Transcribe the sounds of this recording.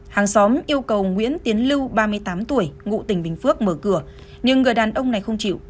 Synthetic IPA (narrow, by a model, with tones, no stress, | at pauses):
haː˨˩ŋsɔ˨˦mʔi˧əwkə˨˩wŋwḭ˧˥ənt̪i˨˦ənlɨ˧wɓaː˧mɨ˧əjt̪aː˨˦mt̪u˧˩əjŋṵ˧˨t̪ï˧˩ŋ̟ɓï˨˩ŋ̟fɨ˦˥ək̚məː˧˩kɨ˧˩ə | ɲɨ˧ŋːɨ˨˩əjɗaː˨˩nʔə˧wŋ͡mna˨˩jxə˧wŋ͡mt͡ɕḭ˧˨w